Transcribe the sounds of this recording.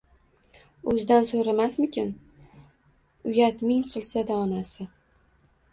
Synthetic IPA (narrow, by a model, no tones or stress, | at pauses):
ɵzd̪ansoɾamasmɪkʲʰɪn | ʊjat̪mɪŋqʰɨlˠsad̪aɒnasɪ